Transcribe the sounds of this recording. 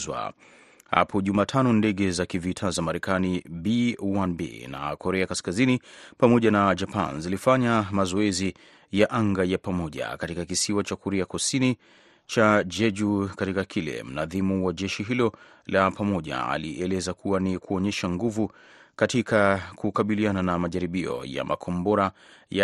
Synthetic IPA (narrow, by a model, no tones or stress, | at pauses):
zwa̰ | ha̰pʰɔʄumaːtʰanɔndɛɠɛzakivitʰazamaɾɛkanibiwanbḭna̰kɔɾɛakaskazinipamɔʄanad͡ʒapa̰nzilifaɲamazɔɛzi | jaʔaŋɡajapamɔʄa̰katikakisiwat͡ʃakɔɾɛakusini | t͡ʃad͡ʒɛd͡ʒukatikakʰilɛ̰m̩naðimuwaʄɛʃiɦilɔ | lapamɔʄa̰a̰liʔɛlɛzakʰuwanikuɔɲɛʃaŋɡuvu | katikakukaɓiliananamaʄaɾiɓiɔ̰ja̰mʔa̰kʰɔmbɔɾa | ja